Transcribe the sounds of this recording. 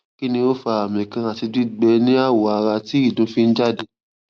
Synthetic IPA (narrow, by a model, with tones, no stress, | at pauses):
ki˦nĩ˧o˦fa˧a˨mĩ˨kã˧a˨ti˧ɡ͡bi˦ɡ͡bɛ˧nĩ˦a˦˨wo˨a˨˧ɾa˧ti˦i˦˨dũ˨˦fi˦n̩˦d͡ʒa˦˨de˧˦